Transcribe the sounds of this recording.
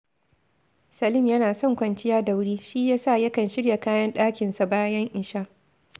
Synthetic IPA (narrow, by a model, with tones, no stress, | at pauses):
sɐ˨lɪ˦˨mjɐ˦naː˨sɔ˦˨ŋkʷɐ˨nt͡ʃɪ˦jaː˦da˨wʊ˦ɽiː˦ʃi˦jaː˦sa˦˨jɐ˦kɐ˨nʃɪ˦ɽja˨kaː˦jɐ˦nɗaː˦kʲɪ˨nsa˨baː˦jɐ˦ŋʔɪ˨ʃaː˦